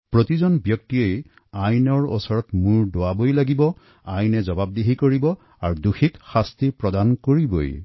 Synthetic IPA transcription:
pɹot̪izɔnbjɔk̚tiej | ajnɔɹɔ̰sɔɹɔtmuɹdowabojlaɡibɔ | ajnɛzɔbab̚deɦikoɹibɔ | aɹduxikxastipɹɔdankoɹibo̰j

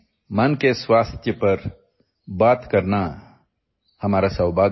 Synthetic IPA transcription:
mɐnkeswaːst̪ʰjəpɐɾ | baːt̪kɐɾna | hɐmaːɾasɐwbaː

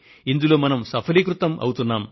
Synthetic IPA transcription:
ind̪ulo̞ːmɐnɐmsɐpʰɐlikɾut̪ɐmʔɐ̰wut̪unːaːm

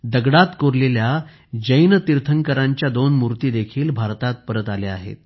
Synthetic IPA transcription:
d̪əɡɽat̪koɾlelja | d͡ʑəjnət̪iɾt̪ʰəŋkəɾãɲt͡ɕjad̪onmuɾt̪iːd̪ekʰiːlbʱaɾt̪at̪̚pəɾət̪alea̰ɦḛt̪̚

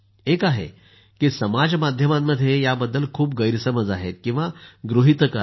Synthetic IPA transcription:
ekaɦḛ | kiːsəmad͡zmad̪ʱjəmamːəd̪ʱjejabəd̪ːəlkʰuːp̚ɡəjɾsəməd͡zaɦet̪kĩw̃ʋaɡɾuɦit̪əka

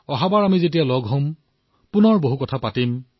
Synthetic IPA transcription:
ɔɦabaɹamizetijalɔɡʱɦõm | pʊnɔɹboɦukɔtʰapatim

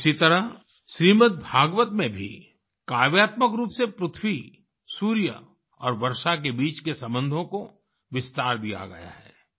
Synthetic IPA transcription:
sit̪ɐɾə | ʃɾiːmət̪̚bʱaːɡʋət̪mẽbʱḭ | kaːʋjaːt̪məkɾuːpsepɾʊt̪ʰwi | suːɾjə̰ | ɔːɾʋɐɾʃak̬ebiːt͡ʃkesɐ̃mbə̃nd̪ʱõko | ʋɪst̪aːɾbʱia̰ːɡɐ̰ja̰ɦɛː

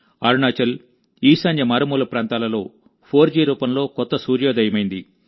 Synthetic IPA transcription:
aːɾuɳaːt͡ʃɐl | iːsanjɐmaːɾɐmuːlɐpɾaːnt̪aːlɐlo̞ː | pʰo̞ːɾd͡ʒiːɾuːpɐmlo̞ːkɔt̪ːɐsuːɾjoːd̪ɐjɐmɐjind̪i

